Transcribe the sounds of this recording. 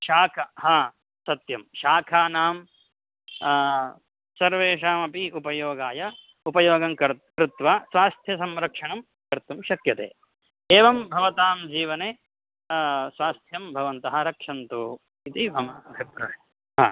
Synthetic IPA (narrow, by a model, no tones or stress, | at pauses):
ʃaːkʰɐɦɐ | sɐt̪jɐmʃaːkʰaːnaːm | sɐɾʋeːʃaːmɐpiupɐjoːɡaːjɐ | upɐjoːɡɐmkɐɾkɾut̪ʋaːsʋaːst̪ʰjɐs̬ɐmɾɐkʂɐɳɐm | kɐɾt̪umʃɐkjɐt̪ḛː | eːʋɐmbʱɐʋɐt̪aːmd͡ʒiːʋɐneː | sʋaːst̪ʰjɐmbʱɐʋɐnt̪ɐɦɐ̆ɾɐkʂɐnt̪u | it̪ibʱɐmɐbʱɐpɾɐ̰ɳe | ɦa̰ː